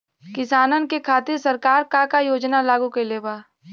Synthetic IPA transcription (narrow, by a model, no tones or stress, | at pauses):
kɪsaːnənkekʰaːt̪ɪɾsɐɾkaːɾkãkajoːd͡ʒnalaːɡũkeleːbaː